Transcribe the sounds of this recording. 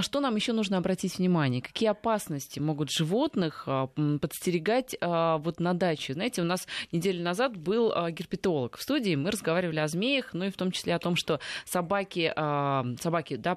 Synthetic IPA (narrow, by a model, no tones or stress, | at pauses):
ʂt̪o̞namjɪɕːo̞nuʐnəɐbɾɐtʲitʲvnʲɪmanʲɪjəkɐ̥kʲijəɐpasnəsʲtʲɪmo̞ɡʊt̪ʐɨvo̞t̪nɨxəpət̪sʲtʲɪɾʲɪɡatʲəvo̞t̪nɐd̪at͡ɕɪznaɪtʲɪʊn̪asnʲɪdʲelʲʊnɐzat̪bɨlˠəɡʲɪrpʲɪt̪o̞lˠəkfst̪udʲɪːmɨɾəzɡɐvaɾʲɪvəlʲɪɐzmʲejəxnuift̪o̞mt͡ɕɪ̥sʲlʲeɐt̪o̞mʂt̪o̞sɐbakʲɪəsɐbakʲɪd̪a